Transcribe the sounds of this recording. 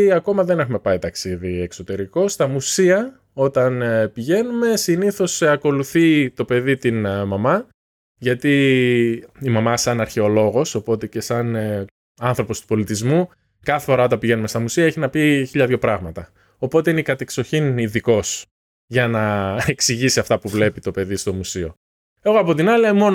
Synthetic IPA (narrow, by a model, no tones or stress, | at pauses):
ɐko̞mɐðe̞ne̞xume̞pɐit̪ɐksiðiekso̞t̪e̞ɾiko̞st̪ɐmusiɐ | o̞t̪ɐnpiʝe̞nume̞siniθo̞sɐko̞luθit̪o̞pe̞ðit̪inmɐmɐ | ʝɐt̪i | imɐmɐsɐnɐɾçe̞o̞lo̞ɣo̞so̞po̞t̪e̞ce̞sɐn | ɐnθɾo̞po̞st̪u̥po̞lit̪izmu | kɐθefo̞ɾɐo̞t̪ɐmpiʝe̞numest̪ɐmusiɐeçinɐpiçiʎɐðʝopɾɐɣmɐt̪ɐ | o̞po̞t̪e̞ineikɐt̪ekso̞çiniðiko̞s | ʝɐnɐeksiʝisiɐft̪ɐpuvle̞pit̪o̞pe̞ðist̪o̞musio̞̰ | e̞ɣoɐpo̞t̪̬inɐliemo̞n